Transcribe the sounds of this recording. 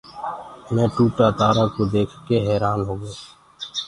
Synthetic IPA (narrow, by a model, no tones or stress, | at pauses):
mɛ̃ːʈuːʈaːt̪aːɾaːkoːd̪eːkʰkeɦɛːɾaːnɦoːɡoː